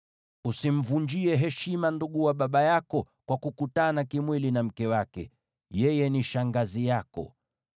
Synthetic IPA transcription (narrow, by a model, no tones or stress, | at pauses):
usim̩vuɲd͡ʒiɛɦɛʃimanduɠuwaɓaɓajakɔ | kwakukutanakimwilinam̩kɛwakɛ̰ | jɛjɛniʃaŋɡazijakɔ̰